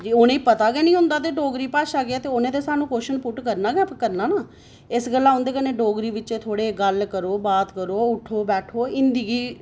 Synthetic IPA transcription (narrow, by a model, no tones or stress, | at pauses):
d͡ʒiːʊnẽːpət̪aːɡɛːnĩːɦʊ̃nd̪aːt̪̬eːɖoːɡɾiːpaːʃaːɡɪaːt̪eːʊnẽːd̪eːsaːnũːkoːʃənpʊʈkəɾnaːɡɛːpkəɾnãːnaː | ɪsɡəlːãːɦʊ̃nd̪eːkənẽːɖoːɡɾiːʋɪt͡ʃeːt̪ʰoːɽeːɡəlkəɾoːbaːt̪kəɾoːʊʈʰːoːbɛːʈʰoːɪnd̪iɡiː